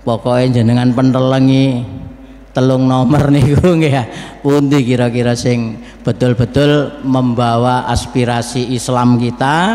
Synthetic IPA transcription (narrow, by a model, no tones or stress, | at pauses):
pɔkɔiɲd͡ʒənəŋanpənt̪ələŋi | t̪əlʊŋnɔmərnikuŋɡejapund̪ikiɾɔkiɾɔsɪŋ | b̥ə̤t̪ʊlb̥ə̤t̪ʊlməmbawaʔa̰spiɾasiːslamkit̪a